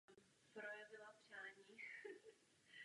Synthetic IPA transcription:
m | pɾojɛvɪlapr̥aːɲiː

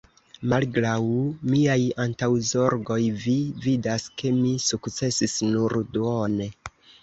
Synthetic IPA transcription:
malɡɾawmiajantawzo̞ɾɡo̞jvividaske̞misukt͡se̞sisnuɾduone̞

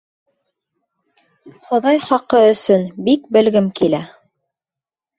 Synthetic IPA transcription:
χŏðɑjχɑqɤɵ̆sɵnbik̚bɘ̆lɡɘmkilæ

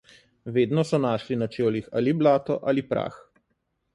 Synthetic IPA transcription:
ʋeːd̪nɔsɔnaːʃlinat͡ʃeːlixa̰ːliblaːt̪ɔʔalipɾa̰ːx

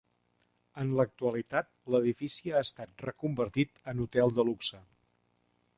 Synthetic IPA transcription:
ənlək̚t̪uəlit̪at̪̚ləðifisiaəst̪at̪̚rəkumbəɾt̪it̪ənut̪ɛlˠd̪əluksə

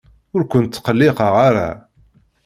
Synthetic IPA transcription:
ʊɾkʷʊnt̪ːqəlːɪqɑʁaɾa̰

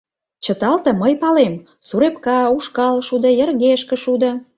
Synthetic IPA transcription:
t͡ɕə̆t̪ɑlt̪ə̆məjpɑlem | suɾepkɑuʃkɑlʃud̪ə̆jərɣeʃkə̆ʃud̪ə̆

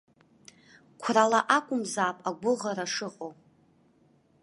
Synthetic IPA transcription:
kʷʰralaʔakʷʼʊmzaːpʼaɡʷʊʁaɾaʂɨqʼow

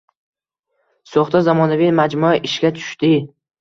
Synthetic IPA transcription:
soχt̪azamɒnavimad͡ʒmʊaʔɪʃɡʲat̪ʰʊ̥ʃt̪ɪ

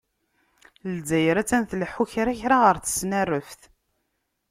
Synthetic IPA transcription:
lzæjɾæt͡sːænθlħuçɾæçɾaʁəɾθə̥snərːəfθ

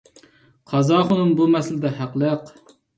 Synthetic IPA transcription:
qʰɑzɑːχʊnɨmbumɛsɪlɪd̪ɛɦæqlˠəq

